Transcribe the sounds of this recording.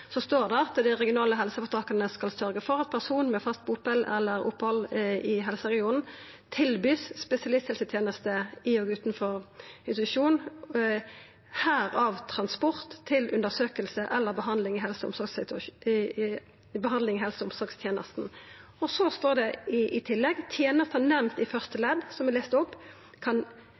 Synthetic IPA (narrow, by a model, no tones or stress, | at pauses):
sɔst̪oːʁd̪ɛɑt̪d̪æɪʁɛɡɪʊnɑːləɦɛlsəfɔt̪ʰɑːkɑnəskɑlsœɾɡəfɔʁɑt̪̚pʰæʁsuːnmɛfɑst̪̚bʊpəlɛ̰lːəʁʊ̰phɔlɪɦɛlsəʁɛɡɪuːn̩ | t̪ʰɪlbyːsːpɛsɪɑlɪst̪hɛlsət̪ʰjeːnəst̪əɪoɡʉːt̪n̩fɔʁɪt̪ʉʂuːn | hæːʁɑʋt̪ʰʁɑnspɔʁt̪ʰːɪlʔʉnd̪əsøːkəlsəʔɛlːəbəɦɑnd̪lɪŋɪɦɛlsəʊ̰msɔɡs | bəhɑnd̪lɪŋɦɛlsʊmsɔɾɡst̪ʰjeːnəst̪n̩ɔsɔst̪oːʁd̪ɛɪʔɪt̪ʰɪlːɛɡt̪ʰjeːnəst̪ːnɛmt̪ɪfœʁst̪əlɛd̪sɔmɛleːst̪ʊpː | kʰɑn